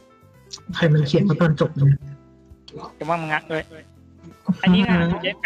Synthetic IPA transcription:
kʰa˧jma˧nkʰi˨˩˦nkʰa˧t̪ɔː˧nt͡ɕo˨˩p̚lɯː˧n˧˩ | a˨˩ma˧˥˩ma˧ŋa˦˥kːj | h̩˦

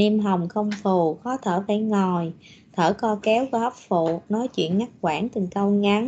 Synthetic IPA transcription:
ni˧mɦa˨˩wŋ͡mxə˧wŋ͡mfu˨˩xɔ˨˦t̪ʰəː˧˩faː˧˩jŋɔ˨˩j | t̪ʰəː˧˩kɔ˧kɛ˨˦wkːhp̚fṵ˧˨nɔ˨˦jt͡ɕwḭ˧˨ənɲa˦˥t̚kwaː˧˩nt̪ɨ˨˩ŋkə˧wŋa˨˦n

